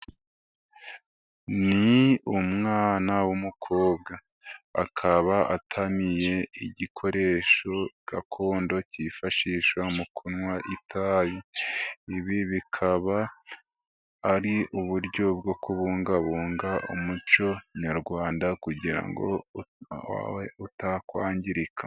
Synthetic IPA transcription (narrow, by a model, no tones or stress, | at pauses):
niumŋaːnawumukʰo̞ːb̚ɡa | a̰kʰaβaa̰tʰamije̞iɟikʰo̞ɾe̞ʃo̞ɡ̥akʰo̞ːndo̞cifaʃiːʃwamukʰunŋwaʔitʰajiiβiβikʰaβa | ɾiʔuβuɾɟo̞bɡo̞kuβuːŋɡaβuːŋɡaʔṵmut͡ʃo̞ɲaɾɡwaːndakuɟiɾa̰ŋɡo̞̰ | a̰weutakwaːɲɟiɾikʰa